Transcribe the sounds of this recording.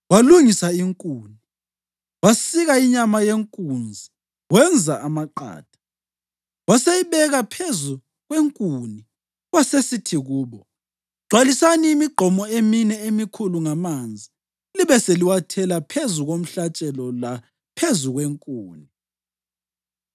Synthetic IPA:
waluŋisaiŋkʼuːni | wasiɣaiɲamajeŋkʼund͡zʱi | wɛnd͡zʱaamaǃa̰ːd̥ʱḁ | wasejiβɛɣapʰezu | ɣweŋkʼuni | wasesitʰiɣuːβɔ | ɡ͡ǀ̥ʱwalisaniːmiɡ͡ǃʱɔmɔeminɛemikʰuluŋamand͡zʱi | liβɛseliwatʰɛlapʰezuɣom̩ɬat͡ʃʼɛlɔla | pʰezuɣweŋkʼuːni

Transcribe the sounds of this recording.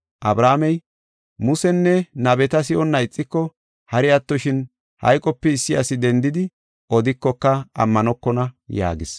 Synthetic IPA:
ʔɐbɾaːmɛj | mʊsɛnːɛnɐbɛt̪ɐs̬ɪʔɔnːɐɪt͡sʼːɪkːɔ | hɐɾɪɐt̪ːɔʃɪn | hɐ̰jkʼɔpːɛɪsːɪjɐ̰sɪd̪ɛnd̪ɪd̪ɪ | ʔɔd̪ɪkːɔkːɐɐ̰mːɐnɔkːɔnɐja̰ːɡɪs

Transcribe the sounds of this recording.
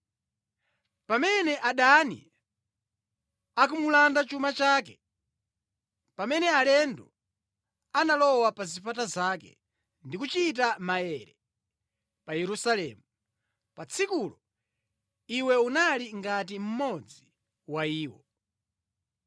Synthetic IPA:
pamɛnɛʔaɗanḭ | akumulandat͡ʃumat͡ʃaːkɛ | pamɛnɛalɛndɔ | analɔwapazipatazakɛ̰ | ndikut͡ʃit̬amaɛɾɛ | pajɛɾusalɛ̰ːmu | pat͡sʰikulɔ | iwɛunaliŋɡatim̩mɔd͡zi | waiːwɔ

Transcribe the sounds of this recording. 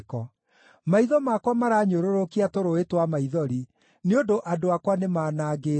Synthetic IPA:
kɔ | maiðɔmakwamaɾaːɲoɾoɾokiatoɾoetwamaiðɔɾi | neondoʔadoakwanemaːnaːɡeː

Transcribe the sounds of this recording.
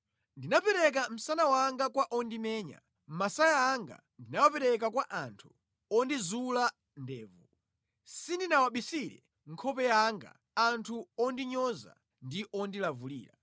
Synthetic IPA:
ndinapɛɾɛk̬am̩sanawaŋɡakwaʔɔndimɛːɲa̰ | m̩masajaːŋɡa̰ | ndinawapɛɾɛk̬akwaʔantʰu̥ | ɔndizula | ndɛːvu | sindinawaɓisiɾɛ̰ | ŋ̩kʰɔpɛaŋɡa̰ | antʰuɔndiɲɔza̰ | ndiʔɔndilavulḭːla

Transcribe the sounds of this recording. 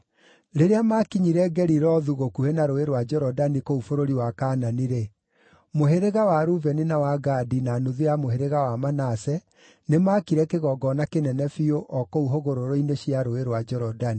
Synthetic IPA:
ɾeɾeamakiɲiɾɛɡɛɾiɾɔðuɣokuhenaɾoeɾwad͡ʒɛɾɔdanikoufoɾoɾiwakaːnaniɾe | moɦeɾeɣawaɾuvɛninawaɡadinanuðejamoheɾeɣawamanasɛ | nemakiɾɛkeɣɔɡɔnakenɛnɛfioʔɔkouɦoɣoɾoɾoineɕjiaɾoeɾwad͡ʒɛɾɔdani

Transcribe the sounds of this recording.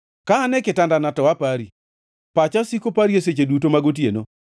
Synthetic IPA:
kaːnɛkɪtandanatɔwapaɾi | pat͡ʃasikopaɾieset͡ʃedutomaɡot̬jḛno

